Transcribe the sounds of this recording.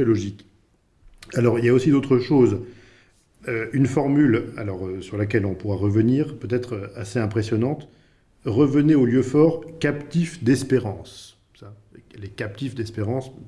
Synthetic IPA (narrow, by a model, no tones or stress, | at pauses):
ɛlɔʒik | alɔʁiljaosid̪ot̪χəʃoz | øynfɔʁmyla̰lɔʁøsyʁlak̬ʲɛlɔ̃puʁaʁəvəniʁpøt̪ɛt̪χøaseɛ̃pχesjɔnɑ̃t̪ | ʁəvəneoljøfɔʁkapt̪ifd̪ɛspeʁɑ̃s | sa | lekap̚t̪ifd̪ɛspeʁɑ̃s